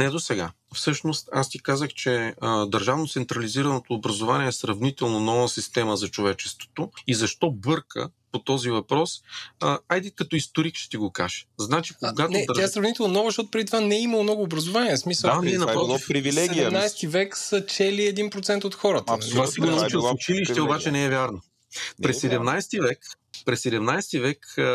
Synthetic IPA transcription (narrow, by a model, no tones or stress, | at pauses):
nɛd̪osɛɡa̰ | fsɤʃnost̪ast̪ikazəxt͡ʃɛəd̪ɐɾʒavnot̪sɛnt̪ɾɐliziɾɐnot̪oːbɾɐzovaniɛːsɾɐvnit̪ɛlˠnonɔvəsist̪ɛməzɐt͡ʃovɛt͡ʃɛ̥st̪vo̥t̪oizɐʃt̪ɔbɤɾkə̰pot̪ɔzivɐpɾɔsəajd̪ɛkɐt̪ɔist̪oɾikʃɛ̥t̪iɡoka̰ʒɛ̥znat͡ʃikoɡatnɛt̪ʲaɛsɾɐvnit̪ɛlˠnonɔɡzʃtɔt̪ʊpɾɛd̪it̪ovanɛiməlˠmnɔɡʊːbɾɐzʊvaniɛsmisəanɛnɐpɔfɾivilɛɛɡiɛmnajst̪ivɛksət͡ʃɛliɛd̪inpɾot̪sɛnt̪ot̪xɔɾət̪əvassɛɡonɐut͡ʃilˠʊt͡ʃiliʃt̪ɛobat͡ʃɛnɛɛvjaɾno | pɾɛsɛd̪ɛmnajst̪ivɛk | pɾɛsːɛd̪ɛmnajst̪ivɛk